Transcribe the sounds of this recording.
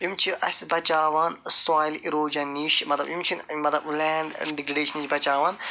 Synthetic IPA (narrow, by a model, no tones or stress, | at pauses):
jimt͡ʃʰiʔɐsʲbɐt͡ʃaːʋanst̪aːjliɾoːd͡ʒɐnːiʃmɐt̪lɐbjimt͡ʃʰinmɐt̪lɐblɛːɳɖɖiɡɾiɖeːʃɐnit͡ʃbɐt͡ʃaːʋɐn